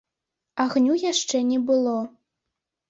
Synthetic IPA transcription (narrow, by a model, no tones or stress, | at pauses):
aɣnʲujaʂt͡ʂɛnʲɛbɨlˠɔ